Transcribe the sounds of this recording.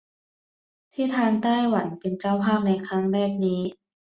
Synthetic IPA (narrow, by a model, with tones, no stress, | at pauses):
t̪ʰiː˥˩t̪ʰaː˧nt̪aː˥˩jwa˩˦npe˧nt͡ɕa˥˩wpʰaː˥˩p̚na˧jkʰɾa˦˥ŋɾɛː˥˩p̚niː˦˥